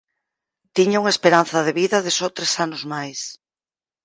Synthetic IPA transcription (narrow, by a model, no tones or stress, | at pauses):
t̪iɲauŋaespeɾan̟θɐðeβiðɐðɪsot̪ɾesanʊzmajs